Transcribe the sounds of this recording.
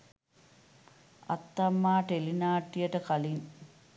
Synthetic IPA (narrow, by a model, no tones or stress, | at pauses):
ɐ̰t̪ːɐmːaːʈelinaːʈːijəʈəkaliŋ